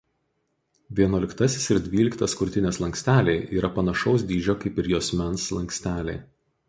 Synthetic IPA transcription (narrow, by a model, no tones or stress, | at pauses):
ʋʲiɛnuɔlʲɪkt̪ɐsʲɪsɪɾd̪ʲʋʲiːlʲɪkt̪ɐskʊɾʲt̪ʲɪnʲeːslˠɐŋʲksʲt̪ʲæːlʲeɪʔiːɾɐpɐnɐʃɒʊsd̪ʲiːd͡ʒʲoːkɐɪpɪɾjoːsʲmʲɛnslˠɐŋksʲt̪ʲæːlʲḛː